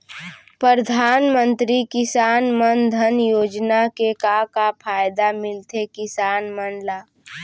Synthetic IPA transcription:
pɾəɾd̪ʱaːnmə̃nt̪ɾikɪsaːnmənd̪ʱənjoːd͡ʒnakekakapʰaːjd̪amɪlt̪ekɪsaːnmənlaː

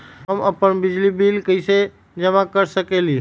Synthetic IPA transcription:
ɦəməpənbid͡ʒlibilkəjse | d͡ʒəmakəɾsəkeli

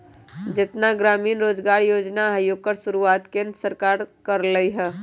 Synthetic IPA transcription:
d͡ʒɪt̪naɡɾaːmiːnɾoːd͡ʒɡaːɾjoːd͡ʒnaajoɡ̚kəɾʃʊɾuaːt̪kẽnd̪səɾkaːɾkɐɾləiɦɛː

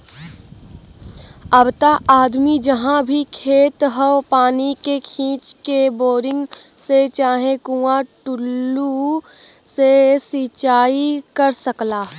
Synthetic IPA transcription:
ɐbt̪aʔaːd̪mid͡ʒəɦãbʱikʰeːt̪ɦəwpaːnikekʰĩːt͡ʃkeboːɾɪ̃ŋɡ | set͡ʃaːɦẽkuːaʈʊlːu | sesit͡ʃaːikɐɾsəklaː

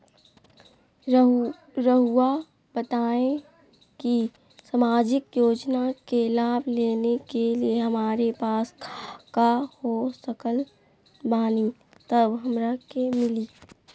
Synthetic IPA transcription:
ɾəɦua | b̥ət̪aːẽ | ki | səmaːd͡ʒɪkjoːd͡ʒnakelaːbʱleːnekelieɦɐmaːɾepaːskʰakahosəkəl | baːni | t̪əbɦɐmɾakemɪliː

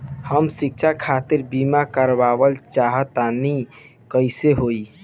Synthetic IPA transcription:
həmsik̚t͡ʃʰakʰat̪iɾbimakəɾbabəlt͡ʃaɦət̪ani | kəɪseɦoi

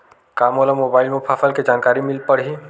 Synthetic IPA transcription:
kamolamobailmepʰapʰəlked͡ʒankaɾimilpəɽɦi

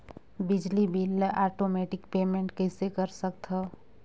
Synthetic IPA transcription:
bɪd͡ʒlibilaːʈomeːʈɪkpeːmẽɳʈkɛɪsekəɾsək̚t̪ɦɛ

